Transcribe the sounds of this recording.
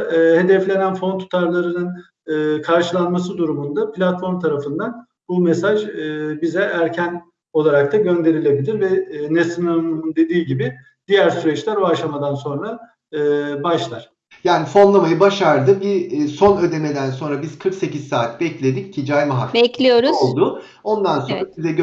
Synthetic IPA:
he̞d̪ɛflʲe̞nænfo̞nt̪ʰu̥t̪ʰaɾlˠaɾɯnɯn | ɯːkʰaɾʃɯlˠanmas̬ɯd̪uɾumund̪apʰlʲat̪fo̞ɾmt̪ʰaɾafɯnd̪an | bumɛsaʒːbizɛʔæɾcʰæn | o̞lˠaɾak̚t̪ʰaɟø̞nd̪e̞ɾilʲe̞bilʲiɾvɛnɛsɯnamumund̪e̞d̪iːɟibɪ | d̪̥ijæɾsyɾɛt͡ʃlʲæɾaʃlˠamad̪anso̞nɾaː | baʃlˠaɾ̥ | jaːnifo̞nlˠamajɯbaʃaɾd̪ɯbiso̞nø̞d̪e̞me̞d̪ænso̞nɾabiz̥kʰɯɾkse̞cizsaːt̪bɛclʲe̞d̪ic̚cʰid͡ʒajmaɦa̰kbɛclʲijoɾuolˠd̪ʊ | o̞nd̪ansoɾasizɛɟø

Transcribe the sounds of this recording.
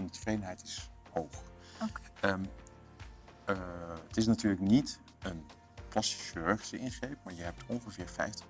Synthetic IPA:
ɑnditə̥vrejdənɦɛjtɪs | howχ | ə | ətɪs̬natyːɹləknit | ən | plɑsti̥ksøɹχəsəɪnχrejp̚maːɹjəɦɛp̚tʰɔnχəvɪːɹfɛ̰jftə̥

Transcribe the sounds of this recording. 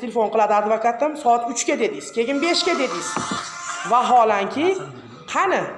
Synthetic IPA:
t̪ʰelefo̞nqɨlˠad̪ɪad̪vakʰat̪ɪmsɒat̪ʊt͡ʃkʲad̪e̞d̪ɪz̥kʲʰe̞ɡʲɪnbe̞ʃkʲad̪e̞d̪ɪjz̥ | vaɦɒlaŋkʲʰɪ | qʰɑnɪ

